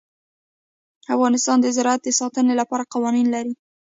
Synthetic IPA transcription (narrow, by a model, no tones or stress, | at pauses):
afɣɑnɪst̪ɑnd̪əzɪɾɑat̪̚d̪əsɑt̪ənelapɑɾaqawɑninlaɾi